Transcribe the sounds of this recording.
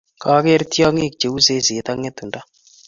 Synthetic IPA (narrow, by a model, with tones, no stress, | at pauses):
ka˦ke˦ɾtjɔ˦ŋe˦˨k̚t͡ʃe˨u˦se˦se˨t̪a˦ŋe˦t̪ːu˨nda˦